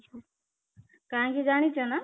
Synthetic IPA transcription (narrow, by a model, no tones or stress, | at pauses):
kaãkid͡zaɽ̃it͡sʰʌnʌ